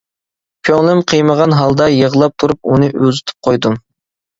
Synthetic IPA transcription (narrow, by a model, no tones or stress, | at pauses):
pʲʰoŋlˠɪmqʰəjməʁɑnɦɑlˠd̪ɑjəʁlˠɑp̚t̪ʰuɾup̚unɨʔøzyt̪ʰy̥p̚qʰojd̪um